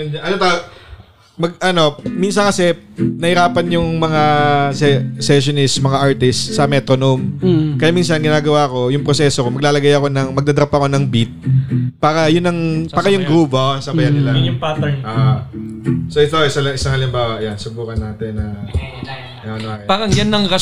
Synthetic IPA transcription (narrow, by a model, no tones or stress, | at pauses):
ʔɐnot̪a | mɐɡ̚ʔɐno̞minsɐnkɐsɛnɐhɪɾaːpɐnjʊŋmɐŋasɛsɛʃonɪst̪mɐŋaʔaɹt̪ɪst̪sɐmɛt̪ɾonomkɐjaːmiːns̬ɐnɡɪnaːɡɐwaːko̞jʊŋpɾosɛːsokomɐɡ̚laːlɐɡajɐko̞nɐŋmɐɡd̪ɐd̪ɐɾɐpɐko̞nɐŋbit̪̚paːɾɐjʊnːɐŋaːɾɐjʊŋɡɾuːpoosɐbɐjanːɪlajʊnjʊŋpat̪ɛnʔaʔ | soʔɪt̪oɪsɐlɐŋɪsaŋɐlɪmbaːwɐʔɐjansʊbuːkɐnːaːt̪ɛnːɐ | oɐnaɪbaːɾɐŋjɐnːɐŋɾɐ